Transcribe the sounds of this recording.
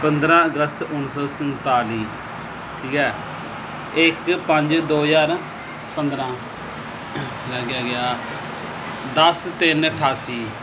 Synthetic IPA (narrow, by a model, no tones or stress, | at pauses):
pənd̪ɾãːəɡəst̪ʊnsɔːsənt̪aːliː | ʈʰiːkɛː | ɪkpəɲd͡ʒd̪oːjaːɾ | pənd̪ɾãː | ləːɡjaːɡɪjaː | d̪əst̪ɪnəʈʰaːsiː